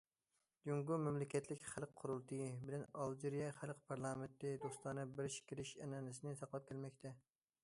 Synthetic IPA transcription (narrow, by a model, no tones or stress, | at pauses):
juŋɡumɛmlɪkʲʰɛt̪lɪkʲχælˠqqʰːʊɾʊlˠt̪ʰɨbɪlɛnɑlˠd͡ʒiɾijɛχælˠqpʰɑɾlˠɑment̪ːɪd̪ost̪ɑnɨbɪɾʃkʲiɾɪʃɛnɛnɪsɪnɪsɑqlˠɑp̚kʲɛlmɛkʲt̪ʰɛ